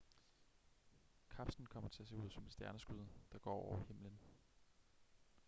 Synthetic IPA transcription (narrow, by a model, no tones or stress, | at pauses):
kʰɑ̈b̥sn̩kʰɒ̽m̰ɐt͡sʰe̝æse̝uð̞̰ˠsɒ̽me̝d̥sd̥jæɐnəsɡ̥yð̰ˠd̥ɑ̈ɡ̥ɒ̰ːɒʊɐhe̝m̰lən